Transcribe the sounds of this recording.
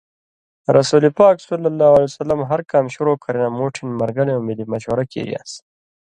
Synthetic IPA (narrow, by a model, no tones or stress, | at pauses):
ɾʔasulipɑːksʊlːalːawaljsalːamɦaɾkamʃʊɾokʰaɾinamoʈʰɪnmaɾɡaneawmɪlimaʃwaɾakḛɾḭa̰s